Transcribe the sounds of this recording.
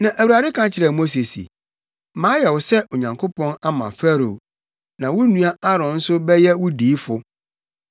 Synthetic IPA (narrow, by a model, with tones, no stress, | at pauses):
nã˨ʔæ˨wu˨ɾa˨dɪ˦kʰã˦t͡ɕʰɪ˨ɾɛ˨mo˦s̬e˨sḭ˨ | mãː˦jɛ˨wʊ˨sɛ˦ʔo˨ɲã˨ŋkʰʊ˦pʰɔ̃˦na˦mã̰˨fæ˦ɾo̰˨ | nã˨wʊ˦nũ˦a˦a˦ɾɔ̃˨˦n̩˦sʊ˦bɛ˦jɛ˦wʊ˦diː˨˦fʊ˦